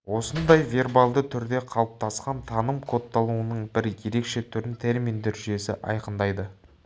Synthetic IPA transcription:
wo̞sənd̪ɑjvʲe̞rbalˠd̪ət̪ʰʏɾd̪e̞qʰɑlˠəp̚t̪ʰɑsqɑnt̪ʰɑnəmkʰo̞t̪ːɑlˠuənəɴbɪɾje̞ɾe̞kʃe̞t̪ʰʏɾɪnt̪ʰe̞ɾmind̪eɾʒʏje̞sɪ̰ʔɑ̰jqənd̪ɑjd̪ə

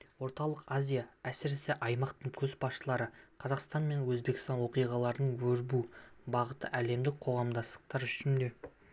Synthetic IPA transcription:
wo̞ɾt̪ɑlˠəqazʲijaæsɪɾɪsɪʔɑjmɑqt̪əɴkʲʰɵzbɑsʃəlˠɑɾəqʰɑzɑqst̪ɑnme̞nwɵzbe̞kʲɪst̪ɑnwo̞qijʁɑlˠɑɾənəɴwɵɾbubɑʁət̪əʔæle̞md̪ɪk̚qʰo̞ʁɑmd̪ɑst̪ə̥q̚t̪ɑɾʏʃɪnd̪e̞

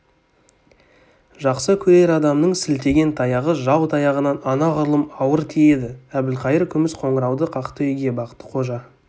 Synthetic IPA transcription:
ʒɑqsəkʲʰɵɾe̞ɾɑd̪ɑmnəɴsɪlt̪e̞ɡʲe̞nt̪ʰɑjɑʁəʒɑwt̪ʰɑjɑʁənɑnɑnɑʁʊɾlˠəmɑwəɾt̪ʰeje̞d̪ɪæbɪlqʰɑjəɾkʲʰʏmɪsqʰo̞ɴəɾɑwd̪əqʰɑqt̪əʏjɡʲe̞bɑqə̥t̪ːə̥qʰo̞ʒɑ

